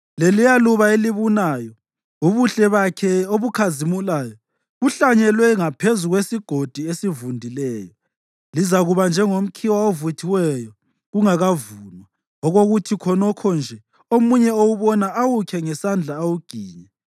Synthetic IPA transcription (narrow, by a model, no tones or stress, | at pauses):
lelijaluβaeliβunaːjɔ | uβuɬɛβakʰɛoβukʰazimulaːjɔ | ɣuɬaɲɛlwɛŋapʰezuɣwesiɡ̥ʱod̥ʱiesivundʱilɛːjɔ | lizaɣuβand͡ʒʱɛŋom̩kʰiwaovutʰiwɛjɔ | ɣuŋaɣavuːnwa | ɔɣoɣutʰikʰɔnɔkʰɔnd͡ʒʱɛ | omuɲɛowuβɔnaʔawukʰɛŋɛsand͡ɮʱaːwuɡ̥ʱiːɲɛ